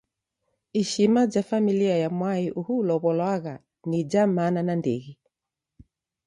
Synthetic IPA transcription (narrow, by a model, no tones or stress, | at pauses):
iʃimad͡ʒafamiliajamwaiʔuhulɔβɔlwaɣa | nid͡ʒamananandɛ̰ɣi